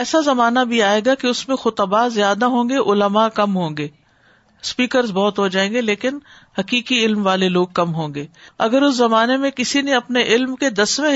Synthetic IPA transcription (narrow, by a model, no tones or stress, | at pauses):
ɛːsazɐmaːnabʱiaːeːɡakeʊsmẽxʊt̪ɐbaːzjaːd̪aɦõːŋɡeʔʊləmakɐmɦõːŋɡeː | spiːkəɾzbɔːt̪ɦod͡ʒaːẽːŋɡeleːkɪn | hɐkiːkiɪlmʋaːleloːɡ̚kɐmɦõːŋ̆ɡeːɐɡəɾʊszɐmaːnemẽkɪsinẽɐpneʔɪlmked̪ɐsʋẽ